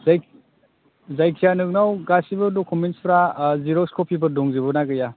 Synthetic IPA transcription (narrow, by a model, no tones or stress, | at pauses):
zaj | zajkʰijanɯk̚nawɡasibɯdɔkʰɔminspʰɾaziɾɔskʰɔpʰibɯdɔŋzibɔnaɡɯja